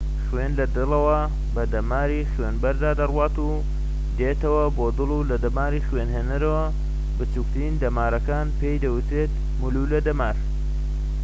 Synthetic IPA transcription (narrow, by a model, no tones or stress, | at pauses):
χwenlɐd̪ɨlɐwɐ | bɐd̪ɐmaːɾiχweːnbɐɾd̪aːd̪ɐrwaːt̪u | d̪eːt̪ɐwɐboːd̪ɨlˠulɐd̪ɐmaːɾiːχweːnɦeːnɐɾɐwɐ | bɨt͡ʃuk̚t̪ɾiːnd̪ɐmaːɾɐkaːnpe̞ːjd̪ɐwut̪ɾeːt̪̚ | muluːlɐd̪ɐmaːɾ